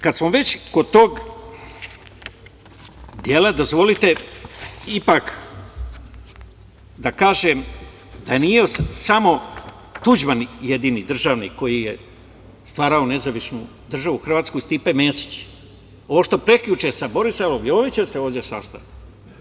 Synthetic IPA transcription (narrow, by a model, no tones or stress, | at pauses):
kad̪smoʋe̞t͡ɕkod̪t̪oːɡ | d̪je̞lad̪o̞zʋo̞lit̪e̞ | ipak | d̪akaːʒem | d̪ajenijesamo̞ | t̪ud͡ʑmanje̞d̪inid̪r̩ʒaʋnikːo̞jije | st̪ʋaːɾaone̞zaʋisnu | d̪r̩ʒaʋuxr̩ʋaːt̪skuist̪ipemeːsi̥t͡ɕ | o̞ʋoʃt̪o̞pɾe̞kʎut͡ʃesabo̞ɾisaʋomioːʋit͡ɕeseo̞ːʋdje̞sa̰st̪a̰ʋit̪